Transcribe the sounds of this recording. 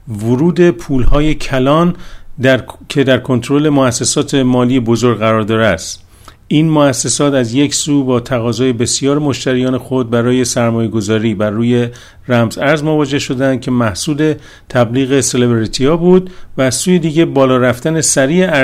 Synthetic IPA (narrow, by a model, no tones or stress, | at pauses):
voɾuːd̪e̞pʰuːlhɒːje̞cʰælɒːnd̪ækʰe̞d̪æɾkʰo̞nt̪ʰɾo̞le̞moæsːesɒːt̪ʰe̞mɒːlijebo̞zoɾɡɣæɾɒːɾd̪ɒːɾeæst̪ | iːnmoæsːesɒːt̪æzje̞csuːbɒːt̪ʰæɣɒːzɒːje̞be̞sijɒːɾmo̞ʃt̪æɾijɒːne̞xo̞d̪̚bæɾɒːje̞sæɾmɒːje̞ɡo̞zɒːɾiːbærːuːje̞ | ræmzæɾzmo̞vɒːd͡ʒe̞hʃo̞d̪eænd̪̚cʰe̞mæhsuːd̪e̞ | t̪ʰæbliːɣe̞selebeɾit̪ʰiɒːbuːd̪̚væːzsuːje̞d̪iːɟe̞bɒːlɒːɾæft̪æne̞sæɾiːe